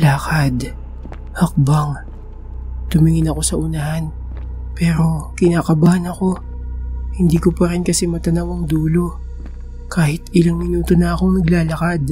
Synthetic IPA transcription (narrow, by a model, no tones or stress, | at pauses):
laːkad̪ | hɐk̚baŋ | t̪ʊmɪŋɪnɐko̞sɐʔʊnɐɦan | pɛːɾo̞kɪnaːkɐbaːhnɐko̞ | hɪnd̪iːkopɐɾɪnkɐsɛmɐt̪ɐnɐwɐŋd̪uːlo̞ | kaːhɪt̪ʔɪlaŋmɪnuːt̪o̞nɐɐko̞ŋnɐɡlaːlɐkad̪̚